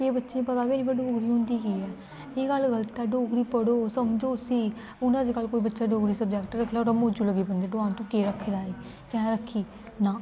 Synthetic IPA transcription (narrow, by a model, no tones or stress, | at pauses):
eːbətːʃẽːpət̪aːbinĩːpəɖoːɡɾiːɦõnd̪iːkiːɛː | eːkəlɡəlt̪ɛːɖoːɡɾiːpəɽoːsəmd͡ʒoːsĩː | ʊnãːd̪eːkəlkoːiːbətːʃaːɖoːɡɾiːsəb̚d͡ʒɛkʈɾəkʰlaːoːɾəmõːd͡ʒuːləɡeːpənd̪eːɖoãːnt̪õːkeːɾəkʰːeɾaːiː | kɛ̃ːɾəkʰːiː | nãː